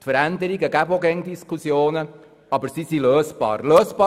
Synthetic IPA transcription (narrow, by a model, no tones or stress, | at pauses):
t̪fəɾænd̪əɾiɡəɡæboɡɛŋd̪iskʰusjoːnə | ɑbəɾsisiløːsb̥ɑ̰ːɾløːsb̥ɑ